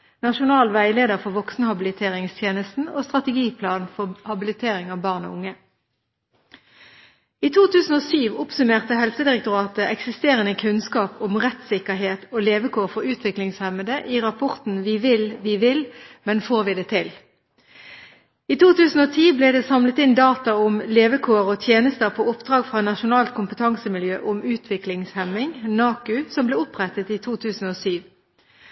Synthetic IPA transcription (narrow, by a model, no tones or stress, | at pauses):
nɑʃʊnɑːlʋæɪleːd̪əʁfɔʁʋɔksnəhɑbɪlɪt̪ʰeːʁɪŋst̪ʰjeːnəst̪n̩o̰ːst̪ʁɑt̪əɡiːpʰlɑːnfɔhɑbɪlɪt̪ʰeːʁɪŋɑːʋbɑːʁno̰ʊŋːə | iːt̪ʰuːt̪ʰʉːsn̩oːsyːʋʊpsʉmeːʁt̪əhɛlsəd̪ɪʁɛk̚t̪ʊʁɑːt̪əʔɛksɪst̪eːʁənəkʰʉnskɑːpʊmʁɛt̪sɪkəɦeːt̪oːleːʋəkʰuːʁfɔʁʉːt̪ʰʋɪklɪŋshɛməd̪əʔiːʁɑpʰɔʁt̪n̩ʋiʋɪlʋɪʋɪlmɛnfoːʁʋɪd̪ɛːt̪ʰɪl | iːt̪ʰuːt̪ʉːsn̩oːt̪ʰiːbleːd̪ɛːsɑmlət̪ɪnd̪ɑːt̪ɑʊmleːʋəkʰoːʁɔt̪ʰjeːnəst̪əʁpʰoːʊpd̪̥ʁɑːɡfʁɑnɑʃʊnɑːlt̪̚kʰʊmpət̪ʰɑŋsəmɪljø̰ːʔʊmʉːt̪ʰʋɪklɪŋshɛmɪŋnɑːkʉsɔmblɛːʊpʁɛt̪ət̪iːt̪ʰuːt̪ʰʉːsn̩oːsyːʋ